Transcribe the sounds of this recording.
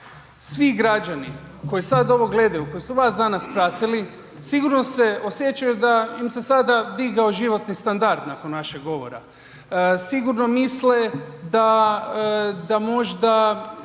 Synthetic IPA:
sʋiɡɾad͡ʒani | ko̞jisad̪o̞ʋo̞ɡle̞d̪ajuko̞jisuʋasd̪anaspɾat̪ili | siɡuɾno̞se̞osje̞t͡ʃajud̪aimse̞sad̪ad̪iɡaoʒiʋo̞t̪nist̪and̪aɾd̪nako̞nʋaʃeɡɡo̞ʋo̞̰ɾa̰ | siɡuɾno̞misled̪a | d̪amo̞ʒd̪a

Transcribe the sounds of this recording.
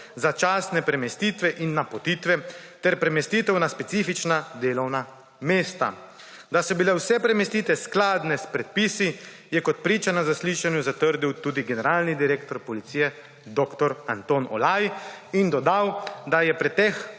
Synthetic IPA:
zat͡ʃaːsnɛpɾɛmɛst̪it̪ʋɛʔinːapɔt̪iːt̪ʋɛ | t̪ɛɾpɾɛmɛst̪it̪ɛwnaspɛt̪siːfit͡ʃnad̪eːlɔwna | meːst̪a̰ | d̪asɔbilɛwsɛpɾɛmɛst̪iːt̪ʋɛsklaːd̪nɛspɾɛt̪̚pisi | jɛkɔt̪̚pɾiːt͡ʃanazasliʃanjuzat̪əɾd̪iwt̪uːd̪iɡɛnɛɾaːlnid̪iɾeːkt̪ɔɾpɔlit̪sijɛ | d̪okt̪ɔɾa̰nt̪oːnɔ̰lajind̪ɔd̪awd̪ajɛpɾɛt̪ɛx

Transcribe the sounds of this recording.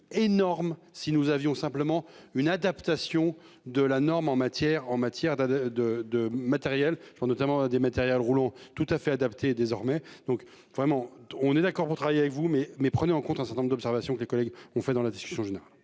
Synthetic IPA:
enɔʁmsinuzavjɔ̃sɛ̃pləmɑ̃ynad̪apt̪asjɔ̃ | d̪əlanɔʁmɑ̃mat̪jɛʁɑ̃mat̪jɛʁd̪ad̪əd̪əmat̪ɛʁjɛl̥pɑ̃snɔt̪amɑ̃ad̪emat̪ɛʁjɛlʁulɑ̃t̪ut̪afɛad̪apt̪ʰed̪ezɔʁmɛd̪̥ɔ̃k | vʁɛmɑ̃ɔ̃nɛd̪akɔʁpuʁt̪χavajeavɛkvumɛmɛpχəneɑ̃kɔ̃t̪ɛ̃sɛʁt̪ɛ̃nɔ̃mʁd̪ɔpsɛʁvasjɔ̃kəlekɔlɛɡɔ̃fɛd̪ɑ̃lad̪iskʲy̥sjɔ̃ʒeneʁal

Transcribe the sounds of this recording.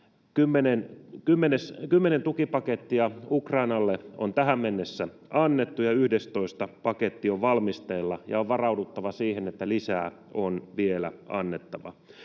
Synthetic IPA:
kymːenenkymːeneskymːenent̪ukipɑket̪ːiɑukrɑinɑlːeont̪æɦæmmenːesːæ | ɑnːet̪ːujɑyhdest̪o̞ist̪ɑpɑket̪ːioʋʋɑlmist̪eːlːɑjɑoʋʋɑrɑudut̪ːɑʋɑsiːhenet̪ːælisæː | onʋielæ̰ɑ̰nːet̪ːɑʋɑ̰

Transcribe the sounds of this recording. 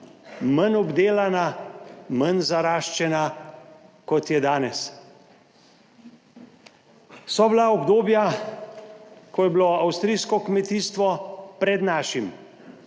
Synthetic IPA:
mənɔbd̪eːlanamənzaɾaːʃt͡ʃɛna | kɔt̪jɛd̪aːnɛs | sɔblaɔbd̪oːbja | kɔjɛblɔawst̪ɾiːskɔkmɛt̪iːst̪ʋɔpɾɛd̪naːʃim

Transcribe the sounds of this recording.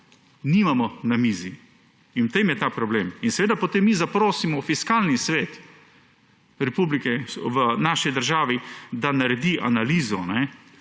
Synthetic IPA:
nimamɔnamiːzi | inwt̪emjɛt̪aːpɾɔbleːminsɛʋeːd̪apot̪emːizapɾoːsimɔfiskalnisʋeːt̪ | ɾɛpublikɛʋənaːʃid̪əɾʒaːʋid̪anaɾɛd̪iʔanaliːzɔnɛ

